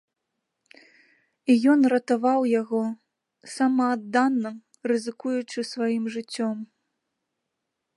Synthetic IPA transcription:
ijɔnrɐt̪avawjaɣɔ | sɐmɐːd̪ːanːɐ | rɨzɨkujut͡ʂɨsvajimʐɨt͡sʲːɔm

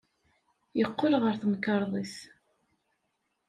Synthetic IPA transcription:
jəqːʊlʁəɾθmkːəɾˤðˤis

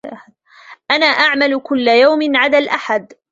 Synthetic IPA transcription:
ʔanaːʔaʕmalʊkʊlːajawmɪnʕad̪alʔaħad̪

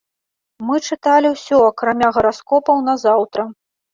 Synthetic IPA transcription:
mɨt͡ʂɨt̪alʲiwsʲɔɐkɾamʲaɣɐɾaskɔpɐwnɐzawt̪ɾɐ

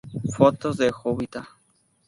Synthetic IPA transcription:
fot̪ozðexoβit̪a

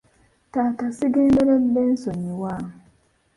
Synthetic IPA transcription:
takasiɡenbeɾembɛnsoɲiwaː

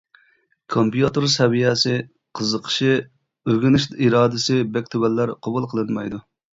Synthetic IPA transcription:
kʰompjut̪uɾsɛvijɛsɪ | qʰəzəqʰə̥ʃɪ | øɡʲinɪʃt̪iɾɑːd̪ɪsɨbɛkʲt̪ʰøwɛlːæɾqʰobulˠqʰəlˠɨnmɑ̰jd̪u

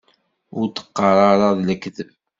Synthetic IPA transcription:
ʊɾt̪ə̥qːɑɾˤɑɾˤɑðləkðəv

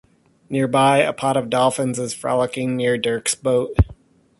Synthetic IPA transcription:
nɪɹbaɪɨ̰pʰɑɾʌvdɑlˠfɨ̃nzɨz̥fɹæ̰lˠəkɪ̃ŋnɪɹdɜ˞ksb̥oʊt̚

